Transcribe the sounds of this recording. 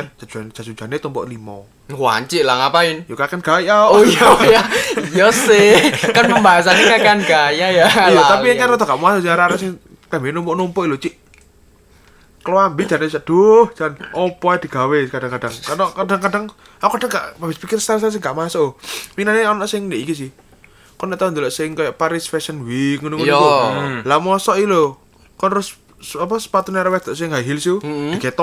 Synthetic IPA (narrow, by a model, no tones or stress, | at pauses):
ḁd͡ʒ̥ad͡ʒand͡ʒ̥asud͡ʒ̥a̤net̪ɔmpɔ̰ʔlimɔ | hwa̰ɲt͡ʃɪʔlaŋapaɪnjokakanɡ̥ajaojajaijɔsɪhkanpəmbaɦasanekakanɡ̥ajajaljaaiaŋt͡ʃanɔt̪ɔɡaʔmasoʔsiaɾaɾasɪŋ | k̪ambenɔmpɔʔnɔmpɔʔilot͡ʃiʔ | kəlwambi̥d͡ʒ̥anesad̥ohd͡ʒ̥anɔpɔad̪̥i̤ɡ̥a̤wekad̥aŋkad̥aŋkanɔkad̥aŋkadaŋ | aɔkad̥a̤ŋɡaʔmabɪspikɪrst̪aɾs̬as̬ɪŋɡaʔmasoʔminaneɔnɔʔsɪŋneʔikis̬ɪh | kɔnɛʔt̪aund̪olɔʔsɪŋkajaʔpaɾisfɛsənwikŋunuŋu | lamɔsɔʔilo | kɔnrʊs | apɔsə̥pat̪uneaɾawɛd̪̥ɔʔsɪŋɦaɦilsuiket̪ɔ